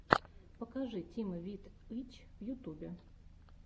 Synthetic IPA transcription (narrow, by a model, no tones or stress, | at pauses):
pəkɐʐɨtʲiməvʲit̪ɨt͡ɕvjʊt̪ubʲɪ